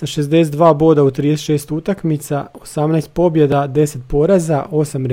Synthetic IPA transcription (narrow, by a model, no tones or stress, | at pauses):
saʃezd̪e̞set̪d̪ʋaːbo̞ːd̪aud̪t̪ɾiːd̪eseʃe̞ːst̪ut̪akmit̪sao̞samnast̪̚po̞bje̞d̪ad̪e̞se̞t̪̚po̞ɾazaʔo̞samɾ